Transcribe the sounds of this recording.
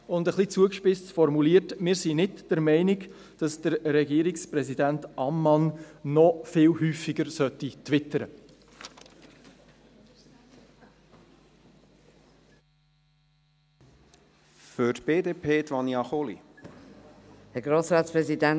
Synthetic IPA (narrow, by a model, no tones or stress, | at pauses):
ʊndəχlit͡suəkʃpɪstfɔɾmuliətmɪːɾsinɪdd̥ɛɾmɛɪnik | d̥ɑsd̥əɾɾɛɡiːɾikspɾɛsidæntɑmːɑnnɔfɪːlɦyːfiɡəɾsœtːit̪ʋɪtəɾə̰ | fʏtb̥eːdeːpʰeːt̪ʋɑnjɑχolḭ | hɛɡɾoːsɾɑːt̪spɾɛzidæn